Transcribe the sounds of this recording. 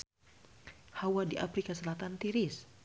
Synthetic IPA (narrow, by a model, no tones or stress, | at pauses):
hawadiʔa̰fɾikasəlat̪ant̪iɾɪs